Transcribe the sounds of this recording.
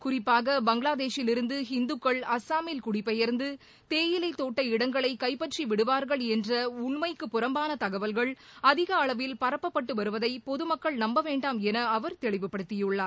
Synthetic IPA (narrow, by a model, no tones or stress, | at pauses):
kʊrɪpːaːɣɐbɐŋɡɪɭaːðeːʂɪlɪɾɯnd̪ɯɦɪnd̪ɯkːɐɭɐsaːmeːlkʊɽɪpːɐjɐɾnd̪ɯ | t̪eːjɪlɐɪt̪oːʈːɐɪɽɐŋɡɐɭɐɪkɐɪpːɐʈriʋɪɽɯʋaːɾɣɐɭɛndrɐʊɳmɐɪkːɯpːʊrɐmbaːnɐt̪ɐɣɐʋɐlɣɐɭɐðɪɣɐːɭɐʋɪlpɐɾɐpːɐpːɐʈːɯʋɐɾɯʋɐðɐɪpɔðɯmɐkːɐɭnɐmbɐʋeːɳɖaːmɛnɐɐʋɐɾt̪ɛɭɪʋɯpːɐɽɯt̪ːɪjɯɭːaː